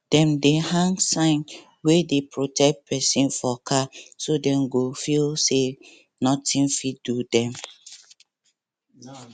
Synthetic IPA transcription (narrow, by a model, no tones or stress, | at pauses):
d̥ɛ̃mdehãŋɡsãɪ̃n | wedepɹotɛk̚t̚pʰɛsĩnfɔkʰasodɛ̃mɡofilse | nɔtʰĩnfidudɛ̃m